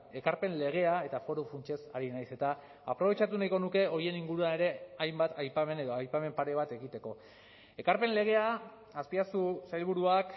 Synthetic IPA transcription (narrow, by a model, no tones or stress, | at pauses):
e̞kaɾpe̞nle̞ɣ̞e̞ae̞t̪afo̞ɾufunt͡ʃe̞saɾinajse̞t̪aː | pɾo̞βe̞t͡ʃat̪unajko̞nuke̞o̞ɾie̞niŋɡuɾuaneɾe̞ajmbat̪ajpame̞ne̞ðo̞ajpame̞mpaɾe̞β̞at̪e̞ɣit̪e̞ko̞ | e̞kaɾpe̞nle̞ɣ̞e̞aː | spiasusajlβ̞uɾuak